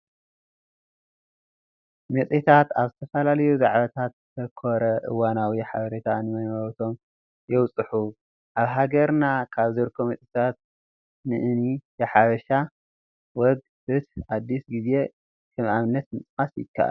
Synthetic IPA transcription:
mɨsʼit̪ʰat̪aβzɨt̪ʰɐfɐlalɐjuzaʕβɐt̪ʰat̪zt̪ʰɐkʰoɾɐʔɨ̰wanawiħaβɐɾet̪ʰanɨmɐnɐɾt̪ʰo̞m | jɛwt͡sʼɨħu | ʔaβɦaɡɐɾnakʰaβzɨɾkʰːomɐt͡s̪ʼit̪ʰat̪̚ | nɨʔɨnijeħaβɐʃa | wɔɡ | bɨt̪ad̪ːisɡize̞ | kʰɐmʔamnːɐt̪mɨt͡sʼkasjɪ̰kʰːa̰ʔa̰l

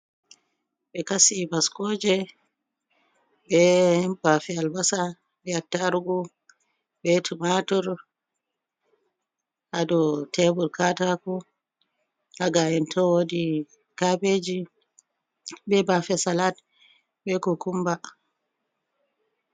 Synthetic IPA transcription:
ɓɛkasibaskɔd͡ʒɛ | bɛbafɛalbasa | bɛatːaɾuɡu | bɛtʰumatɔɾ | ʔadɔtʰɛbuɾkatakɔ | haɡaɛntʰɔwodi | kabed͡ʒi | bɛbafɛsalat | ɓɛkɔkumba

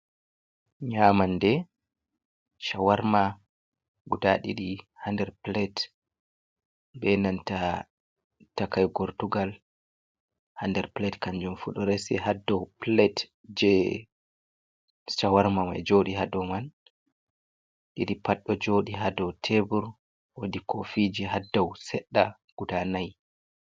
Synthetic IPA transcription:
ɲaːmandɛ | ʃawaɾma | ɡudaɗḭɗihandɛɾplɛt | bɛnanta | takajɡɔɾtuɡal | handɛɾplɛtkaɲd͡ʒumfuɗɔɾɛsɛ̰hadːɔplɛt | d͡ʒɛ | st͡ʃawaɾmama̰d͡ʒoɗiɦadɔman | ɗiɗipaɗːɔd͡ʒoɗiɦadɔwtʰebuɾ | wodikʰofid͡ʒiɦadːɔwsɛɗːa | ɡ̥udanaj

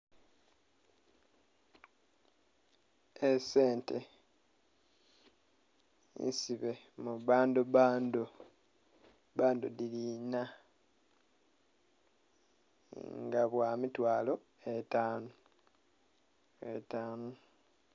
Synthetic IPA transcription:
ese̞ːntḛ | ḭnsiβe̞ | muβaːnduβaːndo | βaːndṵðilina | ŋɡaβwaːmitwaːlo̞ | etaːno | ḛtaːnu

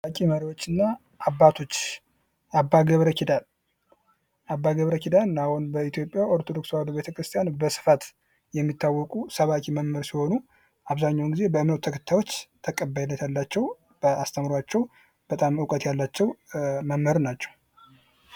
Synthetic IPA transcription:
akʼiməɾiwot͡ʃːɨnːa | ʔːbːat̪ʰo̞t͡ʃː | abːaɡəβɾəkʰid̪al | ʔabːaɡəβɾəkid̪alahunbəit̪ʰjo̞pʼjaʔoɾt̪ʰo̞d̪o̞kswabəβet̪ʰəkɾɨst̪ʼijanbəsɨ̥fat̪ | jɛmːit̪ːawːɔkʼusəβakʼiməmːəɾsiho̞nu | ʔaβzaɲːawnɡize̞bəɨmnət̪ut̪ʰəkʰə̥t̪ʰːajwot͡ʃːt̪ʰəkʼəbːajnːət̪jalːat͡ʃːɛw | b̥əast̪ʰəmɾoat͡ʃːɛw | b̥ət̪ʼamɨwkʼət̪jalːat͡ʃːɛwməmhəɾnat͡ʃːɛw

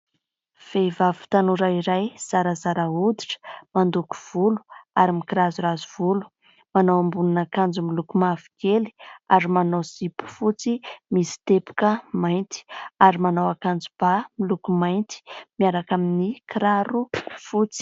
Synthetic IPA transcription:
v̥evavu̥t̪anuɾaiɾajz̥aɾəzaɾaud̪iʈ͡ʂə̥mand̪uku̥v̥ulu̥aɾimikiɾazuɾazuv̥ulu̥ | manowambuninakand͡zumilukumavi̥keli̥aɾimanowzipu̥fut͡simisi̥t̪epu̥kəmajnt̪i̥aɾimanawakand͡zub̥amilukumajnt̪i̥miaɾakaminikiɾaɾufut͡si̥

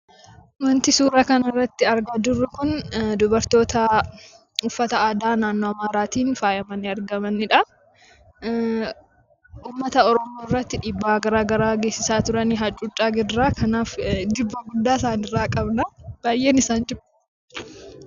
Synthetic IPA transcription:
mɐnt̪ɪsuːɾakɐnɐrːɐt̪ːɪɐɾɡad̪ʊrːʊkʊnd̪ʊbɐɾt̪o̞ːt̪ɐ | ʊfːɐt̪ɐaːd̪aːnaːnːoɐmaːɾaːt̪iːnfaːjɐmɐnɪɐɾɡɐmɐnɪᶑɐ | uːmːɐt̪ɐɔɾɔmoːɪrːɐt̪ːɪᶑiːbːaːɡɐɾaːɡɐɾaːɡeːsːɪsaːt̪ʊɾɐniɦɐt͡ʃʼʊt͡ʃʼːaːɡɪdːaːkɐnaːfd̪ɪbːɐɡʊd̪ːaːsaːnɪrːaːkʼɐbnɐb̥aːjʔe̞ːnɪsaːnd͡ʒɪmɐ̥

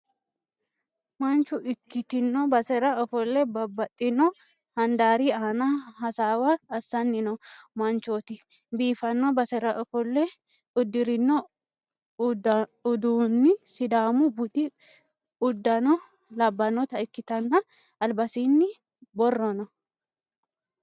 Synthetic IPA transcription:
mɐnt͡ʃʊʔɪkːɪt̪ɪnːɔbɐsɛɾɐɔfɔlːɛbɐbːɐt̪ʼːɪnɔ | hɐnd̪aːɾiaːnɐhɐsaːwaːsːɐnːɪnɔmɐnt͡ʃoːt̪ɪ | biːfɐnːɔbɐsɛɾɐʔɔfɔlːɛ | ʊd̪ːɪɾɪnːɔ | ʊd̪uːnːɪsɪd̪aːmʊbʊd̪ɪ | ʊd̪ːɐnɔ | lɐbːɐnɔt̪ɐɪkːɪt̪ɐnːɐ | ɐlbɐsiːnːɪ | bɔrːɔnɔ

